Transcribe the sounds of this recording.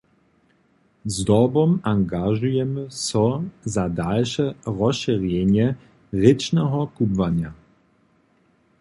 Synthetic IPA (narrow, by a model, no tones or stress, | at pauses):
zdɔbɔmaŋɡaʒujɛməsɔzadalʃɛʁɔsʃiʁjɛnjɛ | ʁɪt͡ʃnɛɦɔkubvanja